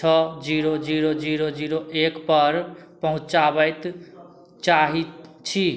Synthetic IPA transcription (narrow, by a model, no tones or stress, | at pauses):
t͡ʃʰʌd͡ziɾod͡ziɾod͡ziɾod͡ziɾoʔekpʌɾpʌɦũt͡saβʌjt̪ | t͡ʃaɦit͡ʃʰi